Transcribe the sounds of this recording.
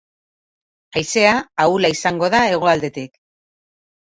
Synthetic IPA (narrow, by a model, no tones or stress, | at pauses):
ajse̞aːulaisaŋɡo̞ðae̞ɣ̞o̞ald̪e̞t̪ik